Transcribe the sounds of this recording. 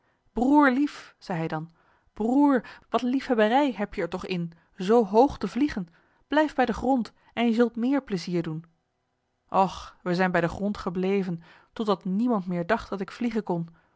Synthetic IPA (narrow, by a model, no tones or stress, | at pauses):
b̥ruːɹlifz̥ɛjɦɛjdɑn | b̥ruːɹʋɑtlifɦɛbərɛjɦɛpjəɛɹtɔχɪn | zowɦowχtəvliχən | b̥lɛjfbɛjdəχrɔnt | ɛnjəzɵlˠtmɪːɹpləziːɹdun | ʔɔχʋəzɛjnbɛjdəχrɔntχəblejvən | tɔdɑtnimɑntmɪːɹdɑχtdɑtɪkfliχənkɔn